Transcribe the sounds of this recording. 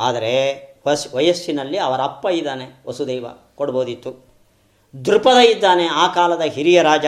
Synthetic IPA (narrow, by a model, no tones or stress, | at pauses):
aːd̪ɐɾeʋɐsʋɐjɐsːinɐlːiɐʋɐɾɐɐpːɐid̪ːaːneʋɐsud̪eːʋɐ̰ | koɽboːd̪it̪ːu | d̪uɾupɐd̪ɐjid̪ːaːne̞aːkaːlɐd̪ɐɦiɾijɐɾaːd͡ʒɐ